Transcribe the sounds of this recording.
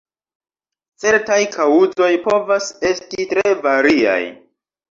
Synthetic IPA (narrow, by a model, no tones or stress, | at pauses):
t͡se̞ɾtajkʰawuzo̞jpo̞vase̞stitɾevaɾia̰j